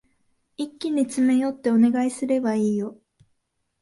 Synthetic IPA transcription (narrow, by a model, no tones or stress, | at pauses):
ikʲːiɲ̟it͡sɨme̞jo̞t̪ːe̞o̞ne̞ɡaisɨɾe̞baiːjo̞